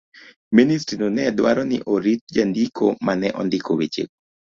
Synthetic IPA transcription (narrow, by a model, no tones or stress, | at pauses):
ministɾinonɛdwaɾɔnɪ̰ʔoɾit̚d͡ʒandikʰomanɛʔɔndɪkowet͡ʃḛk̚